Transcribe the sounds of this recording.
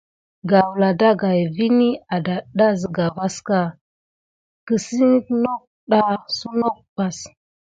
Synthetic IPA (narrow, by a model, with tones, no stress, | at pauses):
ɡa˨wla˨da˦ɡa˨jvi˦ni˦a˨da˨ɗa˦zə˨ɡa˨va˦ska˦ | kə˨si˦no˦k̚ | ɗa˦su˦no˦k̚pa˨s